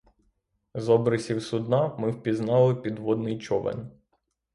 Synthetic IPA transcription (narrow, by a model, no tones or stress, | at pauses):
zɔbɾɪsʲiwsʊd̪nɑmɪwpʲiznɑlˠɪpʲid̪ʋɔd̪nɪjt͡ʃɔʋɛ̰n